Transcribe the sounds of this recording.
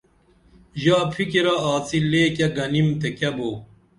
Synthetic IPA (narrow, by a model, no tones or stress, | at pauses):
ʑaːpʰikiɾɐaːt͡sileːkɐɡɐnimt̪ekɐboː